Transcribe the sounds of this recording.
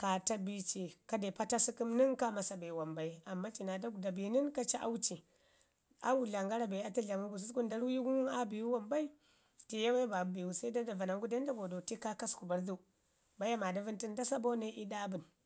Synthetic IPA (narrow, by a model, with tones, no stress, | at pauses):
ka˨ta˦bi˦t͡ʃi˨ka˦de˨pa˦ta˦si˦ki˦mni˦ŋka˦ma˨sa˨be˨wa˨mba˨i˦a˨mːa˦t͡ʃi˨na˨da˦˨da˨bi˨ni˦nka˦t͡ʃa˦ʔa˦wu˦t͡ʃi˨ | a̰˦wu˦ɮa˨ŋɡa˦ɾa˨ba˨a˦ti˦ɮa˨mu˦bu˨s̬u˦sku˦nda˦ɾwu˦ji˦ɡu˦nu˦na˦bi˨wu˦wa˨mba˦i˦ | ti˨ja˦we˦ba˨˦bi˨wu˦sa˦i˦da˦da˨va˨na˨ŋɡu˦da˦n˦da˦ɡo˨do˨ti˦ka˦ka˦sku˨ba˨ɾdu˦ | ba˦ja˦ma˨da˨vi˦nti˦nda˦sa˦bo˦ne˦ʔi˦da˦bu˨n